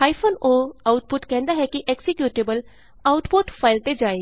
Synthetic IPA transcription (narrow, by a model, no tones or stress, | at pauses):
aːipʰoːnoːaʊʈpʊʈkɛ̃ːnd̪aɦɛkiʔɛksɪkjuːʈeːbəl | aʊʈpoʈpʰaːɪlt̪ed͡ʒaːeː